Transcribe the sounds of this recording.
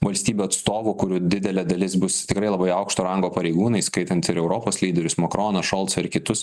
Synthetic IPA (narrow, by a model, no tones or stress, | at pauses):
ʋɐlʲsʲt̪ʲiːbʲuːɐt̪st̪oːʋʊkʊɾʲuːd̪ʲɪd̪ʲɛlʲɛd̪ɐlʲɪsbʊst̪ʲɪkɾɐɪlˠɐbɐɪɐʊkʃt̪oːɾɐŋɡoːpɐɾʲɛɪɡuːnɐɪskɐɪt̪ɐnt̪ɪɾɛʊɾoːpoːslʲiːd̪ʲɛɾʲʊsmɐkɾoːnɐʃoːlˠt̪sɐɪɾkʲɪt̪ʊs